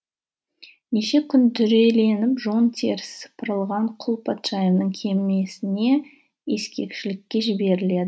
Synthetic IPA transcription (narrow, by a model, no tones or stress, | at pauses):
neʃekʲʰʏnd̪ʰʏɾe̞le̞nɪpʒo̞nt̪ʲʰe̞ɾssə̥pəɾəlˠʁɑɴqʰʊlˠpʰat̪ʃajevnəɴkʲʰe̞mɪne̞sɪne̞ | je̞skʲe̞̰kʃɪlɪkʲːe̞ʒɪbe̞ɾɪle̞d̪ə